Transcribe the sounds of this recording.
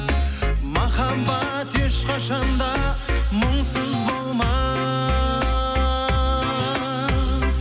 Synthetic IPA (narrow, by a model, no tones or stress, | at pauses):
mɑχɑmbɑ | t̪ʰe̞ʃqʰɑʃɑnd̪ɑməɴsəzbolˠmɑ